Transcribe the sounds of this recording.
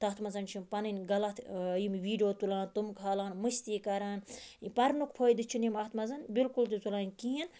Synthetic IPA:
t̪ɐht̪ʰmɐzɐnt͡ʃʰimpɐnɨnʲɡɐlɐt̪ʰjimʋiːɖijoːt̪ulãːnt̪umkʰaːlaːnmɨsʲt̪iːkɐɾaːnipɐɾnukpʰoːjd̪ɨt͡ʃʰinimɐht̪ʰmɐzɐnbilkult̪it͡sulaːnʲkiːin

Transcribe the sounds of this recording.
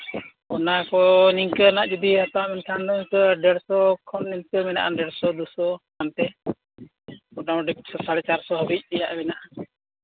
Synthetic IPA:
ɔnakɔniŋkənaʔd͡ʒud̪iɦat̪amɛnt̪ʰandɔŋkəɖɛɽsɔkʰɔnːiɲtəmɛna̰ʔa̰ɖɛɽsɔd̪usɔkant̪ɛ | ɔʈawɖsɔsaɽɛt͡ʃaɾsɔɦɔbic̚ˀlɛjaʔɛmɛnaʔa

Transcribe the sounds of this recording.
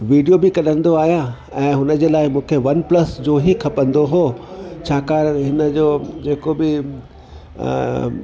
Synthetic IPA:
ʋiːɖijobɪkɐɗə̃n̆d̪oaːɦja | ɛ̃ːɦʊnə̆d͡ʑeːlaːɪmũːkʰeʋɐnplɐsd͡ʑoːɦikʰɐpə̃nd̪oɦoːt͡ɕʰaːkaːɾɦɪnə̆d͡ʑoːd͡ʑeːkobɪ

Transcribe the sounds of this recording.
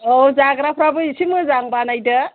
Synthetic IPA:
owd͡ʒaɡɾapʰɾabɯisʰimɯzaŋbanajdɯ

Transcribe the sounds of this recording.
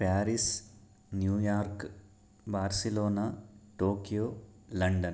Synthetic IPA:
paːɾis | njuːjaːɾk | baːɾsiloːnaʈoːkijoːlɐɳɖɐn

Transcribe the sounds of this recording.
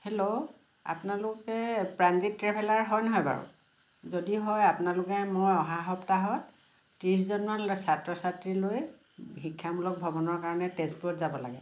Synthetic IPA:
helo | a̰punalʊkɛpɹanzitːɹɛpʰɛlaɹɦɔjnɔɦɔjba̰ɹʊ̰ | zodiɦɔjapʊnalʊkɛmojɔɦaɦɔptaɦɔ | tis̬zɔnmasatɹɔsatɹiloj | ɦikʰːamulɔk̚bʱɔbɔnɔɹkaɹɔnɛtɛstpuɔtzabɔla̰ɡɛ

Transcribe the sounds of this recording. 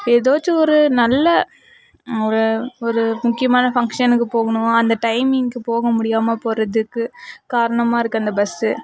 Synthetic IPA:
eðoːt͡ʃːɯɔɾɯnɐlːɐ | ɔɾɯɔɾɯmʊkːɪjɐmaːnɐfɐŋkʂɐnɯkːɯpoːɣɐɳʊ̃ɐnd̪ɐʈɐɪmɪŋkɯpoːɣɐmʊɽɪjaːmɐpoːɾɐðɯkːɯkaːɾɐɳɐmaːɪɾɯkːɯɐnd̪ɐbɐsːɯ

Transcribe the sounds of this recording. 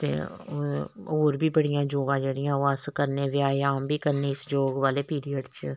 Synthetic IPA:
t̪ḛː | oːɾbʱiːbəɽɪjãːd͡ʒoːɡãːd͡ʒeːɽɪjãːoəskəɾneːʋjaːaːmbʱiːkəɾneɪsd͡ʒoːɡʋaːleːpiːɾijəɖt͡ʃ

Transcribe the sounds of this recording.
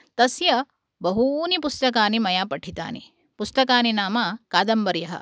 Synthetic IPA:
t̪ɐsjɐ | bɐɦunipust̪ɐkaːnimɐjaːpɐʈʰit̪a̰ːni | pust̪ɐkaːninaːmakaːd̪ɐmbɐɾjɐɦɐ̰

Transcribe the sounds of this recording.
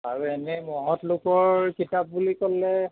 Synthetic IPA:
aɹuenɛmɔɦɔtlʊkɔɹkitap̚bulikɔlːɛ

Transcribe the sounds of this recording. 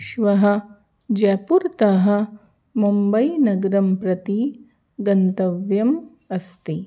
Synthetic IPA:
ʃʋɐɦɐ̆ | d͡ʒɛːpuɾt̪ɐɦɐ̆ | mumbɐjnɐɡɐɾɐmpɾɐt̪i | ɡɐnt̪ɐʋjɐm | ɐst̪i

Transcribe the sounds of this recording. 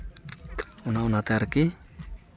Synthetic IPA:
unaunat̪eaɾki

